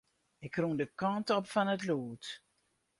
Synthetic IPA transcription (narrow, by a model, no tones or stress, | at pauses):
ɪkrundəkɑntɔpfɔnətloːt